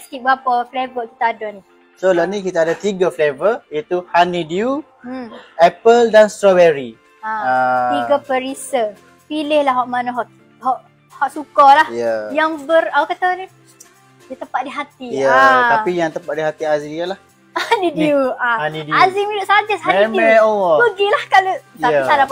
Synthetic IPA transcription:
skiʔ̚bapaflevəki̥t̪aːdani | solanĩkit̪aːdat̪iɡaflevəjat̪uhanidiu | ɛpəldanst̪ɾɔbɛɾi | aaiɡapəɾisə | pilɪhlaɦɔʔmanaɦɔʔ | hɔʔ | hɔʔsukɔlahjajaŋbəraukat̪ani | jat̪əmpat̪̚diɦat̪ijaat̪apijaŋt̪əmpat̪̚diɦat̪iaziialah | anidiuaanidazimiɾʊʔsad͡ʒashaɛmɛ̃oɔpəɡilahkalot̪aaiaɾa

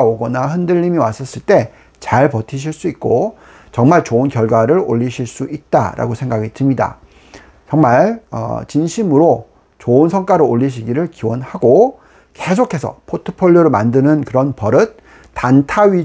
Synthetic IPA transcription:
oɡʌnahɯndɯʎːimiwas͈ʌs͈ɯɭt͈e̞ | t͡ɕaɭpʌtʰiɕ̬ʰiɭs͈uit̚k͈o | t͡ɕʌŋmaɭt͡ɕoɯnkjʌɭɡwaɾɯɾo̰ʎːiɕʰiɭs͈uit̚t͈a̰ɾʔa̰ɡosʰe̞ŋɡaɡitɯmɲida̰ | t͡ɕʌŋmaɭʌ̰t͡ɕinɕʰimɯɾo | t͡ɕoɯnsʰʌŋk͈aɾooʎːiɕ̬ʰiɡiɾɯɭkiwʌnhaɡo | kesʰokʰe̞sʰʌ̰pʰotʰɯ̥pʰoʎːoɾɯmandɯnɯnkɯɾʌnpʌɾɯt̚ | tantʰaɥi

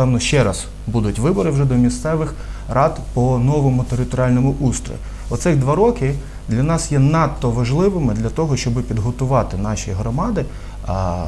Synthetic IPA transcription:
ɛwnɔʃt͡ʃɛɾɐz̥ | bud̪ʊtʲʋɪbɔɾɪwʒɛd̪ɔmʲist̪sɛʋɪx | rɑd̪pɔnɔʋɔmʊt̪eɾɪt̪ɔɾʲiɑlʲnɔmʊʔust̪ɾɔ̰ji | ɔt̪sɪɣd̪ʋɑɾɔkɪ | d̪lʲɐnɑsjɛnɑt̪ːɔʋɐʒlˠɪʋɪmɪd̪lʲɐt̪ɔɦɔʃt͡ʃɔbɪpʲid̪ɦɔt̪ʊʋɑt̪ɪnɑʃiɦɾɔmɑd̪ɪ

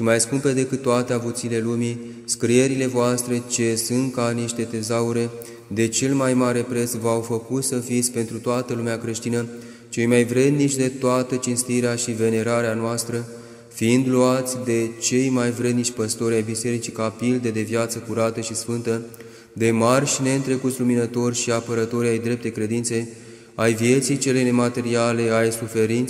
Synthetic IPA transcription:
ʃimajskumpe̞d̪e̞kɨt̪t̪ːoat̪eavut̪sile̞lumi | skɾije̞ɾile̞voast̪ɾe̞t͡ʃe̞sunt̪̚kaniʃt̪e̞t̪e̞zauɾe̞ | d̪e̞t͡ʃe̞lmajmaɾe̞pɾe̞t̪svawfəkut̪səfit̪sʲpe̞nt̪ɾut̪oat̪əlumeakɾe̞ʃt̪inə | t͡ʃe̞jmajvɾe̞d̪nit͡ʃʲd̪e̞t̪oat̪ət͡ʃinst̪iɾeaʃive̞ne̞ɾaɾeanoast̪ɾə | fiind̪luat̪sʲd̪e̞t͡ʃe̞jmajvɾe̞d̪nit͡ʃʲpəst̪o̞ɾʲajbise̞ɾit͡ʃikapild̪e̞d̪e̞vjat̪səkuɾat̪əʃisfɨnt̪ə | d̪e̞marʲʃine̞ɨnt̪ɾe̞kut̪sʲluminət̪o̞rʲʃiapəɾət̪o̞ɾajd̪ɾe̞p̚t̪ekɾe̞d̪int̪se̞ | ajvije̞t̪sijt͡ʃe̞le̞jnemat̪e̞ɾiale̞ajsufe̞ɾint̪

